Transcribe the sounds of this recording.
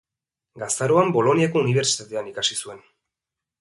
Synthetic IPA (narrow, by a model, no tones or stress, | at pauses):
ɡast̪aɾo̞ambo̞lo̞niako̞uniβ̞e̞ɾsi̥t̪at̪e̞anikasisue̞n